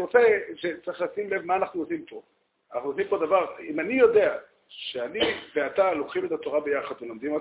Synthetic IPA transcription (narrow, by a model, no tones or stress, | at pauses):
ot͡se̞ʃet͡sʁiχlaːsimle̞vmaːnaχnuosimpo̞ | anaχnuosimpo̞d̪avaʁimanijo̞d̪e̞a | ʃeanibeat̪alokχimet̪at̪o̞ʁabe̞jaχad̪velomd̪imo